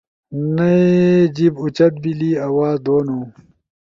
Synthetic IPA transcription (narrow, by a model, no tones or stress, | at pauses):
nɐed͡ʑibut͡ɕɐt̪̚biliːɐwaːd̪oːnoː